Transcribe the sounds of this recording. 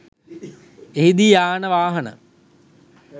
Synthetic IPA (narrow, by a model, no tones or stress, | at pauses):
eɦid̪iaːnəʋaːɦɐnə̰